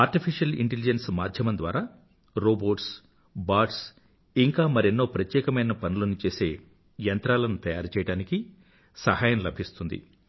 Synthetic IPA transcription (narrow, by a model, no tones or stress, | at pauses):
aːɾʈipʰiʂjɐlḭɳʈelid͡ʒensmaːd̪ʱjɐmɐnd̪ʋa̰ːɾaː | ɾoːbo̞ːʈs | baːʈs | iŋkaːmɐɾe̞nːo̞ːpɾɐt̪jɛːkɐmɐjnɐpɐnulonut͡ʃe̞ːse̞ː | jɐnt̪ɾaːlɐnut̪ɐja̰ːɾt͡ʃɛːjɐɽaːniki | sɐhaːjɐmlɐbʱist̪und̪ḭ